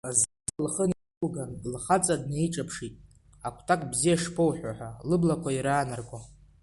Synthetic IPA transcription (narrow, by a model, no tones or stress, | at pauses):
azzlχəni | ulɡanɡlχat͡sʼadneiʈ͡ʂʼapʰʂitʼ | akʷʰtʰakʼbzijaʂpʰowħᶣʷaħʷalɨblakʷʰaiɾaːnarɡʷa